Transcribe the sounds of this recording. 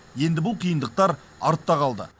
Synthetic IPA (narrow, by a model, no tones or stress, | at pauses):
je̞nd̪ɪbʊlˠqʰijənd̪əq̚t̪ɑɾ | ɑ̰ɾt̪ːɑʁɑlˠd̪ə̰